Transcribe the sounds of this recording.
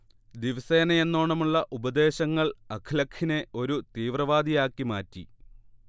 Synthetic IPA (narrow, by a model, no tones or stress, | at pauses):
d̪iʋɐse̞ːnɐje̞nːo̞ːɳɐmuɭːɐʔubɐd̪e̞ːɕɐŋːɐɭɐkʰlɐkʰine̞o̞ɾut̪iːʋrɐʋaːd̪ijaːkːimaːtːḭ